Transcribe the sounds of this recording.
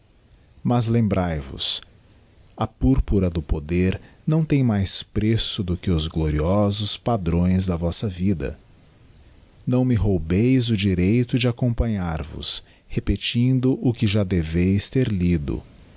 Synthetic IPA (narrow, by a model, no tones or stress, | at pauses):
mɐzlẽmbɾajvʊ̰s | ɐpuɾpuɾɐd̪ʊpod̪eɾnɐ̃w̃t̪ẽj̃majspɾesʊd̪ʊkɪʊzɡloɾiɔzʊspad̪ɾõj̃zd̪ɐvɔsɐvid̪ɐ̰ | nɐ̃w̃mɪɦowbejzʊd͡ʒiɾejt̪ʊd͡ʒɪakõmpɐ̃ɲaɾvʊ̰s | hepet͡ʃĩnd̪ʊʔʊkɪʒad̪evejst̪eɾlid̪ʊ̰